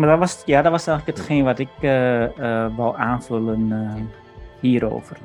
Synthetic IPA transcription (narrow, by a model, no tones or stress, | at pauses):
madɔtʋɔsjadɔtʋɔsɛːŋələkhətχeːnʋɔtɪkə | ʋɔlʔaːnfølən | hiːəɾo̰ːvər